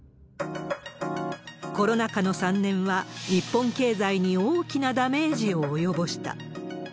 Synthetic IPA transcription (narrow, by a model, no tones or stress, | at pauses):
ko̞ɾo̞nakano̞sãnːẽ̞ɰ̃βaɲ̟ipːõ̞ŋke̞ːzaiɲ̟io̞ːkʲinad̪ame̞ːʑio̞ːjo̞bo̞ɕi̥t̪a̰